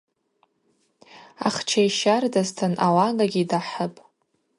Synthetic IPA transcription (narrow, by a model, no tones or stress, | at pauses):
aχt͡ʃʰajʃardaztʰɨnʔalaɡʼaɡʲidaħəpʼ